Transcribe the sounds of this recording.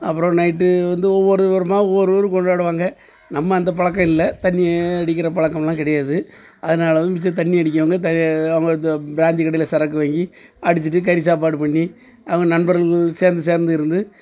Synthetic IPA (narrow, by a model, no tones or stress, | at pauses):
ɐpːɯɾõnɐɪʈːɯʋɐnd̪ɯɔʋːɔɾɯʋɐɾɯmaːʋːɔɾɯɐɾɯkɔɳɖaːɽɯʋaːŋɡɐ | nɐmːɐɐnd̪ɐp̬ɐɭɐk̬ːɐɪlːɐt̪ɐɳːɪːɽɪk̬ʲːɪɾɐpɐɭɐkːɐmlãːkɪɽɐjaːðɯ | ʔɐðɐnaːlɐʋmɪt͡ʃːɐt̪̬ɐɳːiɪɐɽɪk̬ʲːɐʋɐŋɡɐt̪ɐɐʋɐŋɡɐnd̪ɐbɾaːnd͡ʒ̪ikɐɽɐjɪlɐsɐɾɐkːɯʋeːŋɡi | ɐɽɯt͡ʃːɯʈːɯk̬ɐɪɾs̬aːp̬aːɽɯpɐɳːi | ɐʋɐŋɡɐnɐnbɐɾɐseːɾnd̪ɯs̬eːɾnd̪ɯɪɾɯnd̪ɯ